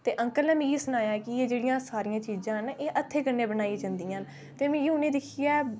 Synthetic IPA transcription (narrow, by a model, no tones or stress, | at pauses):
t̪eːʔə̃ŋkəlnɛ̃ːmĩːjeːsʊnaːjaːkɪeːd͡ʒeːɽijãːsaːɾijãːt͡ʃiːzãːɦənʔeːʔət̪ʰːeːkənːeːbənaːid͡ʒãːnd̪iːãːn | t̪eːmĩːjʊnẽːd̪ɪkʰijɛː